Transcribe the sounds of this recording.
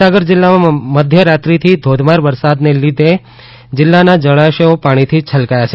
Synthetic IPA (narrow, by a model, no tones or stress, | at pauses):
aɡəɾd͡ʒɪlːamãməd̪ʱjəɾat̪ɾit̪ʰid̪ʱod̪ʱmaɾʋəɾsad̪nelid̪ʱe | d͡ʒɪlːanad͡ʒəɭaʃəopaɽ̃it̪ʰit͡ʃʰəlkajat͡ʃʰe